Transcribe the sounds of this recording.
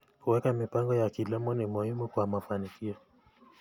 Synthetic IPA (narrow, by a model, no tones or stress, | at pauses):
huwɛkamipaŋɡɔjakilɛmɔnimuhimukwamafanikiɔ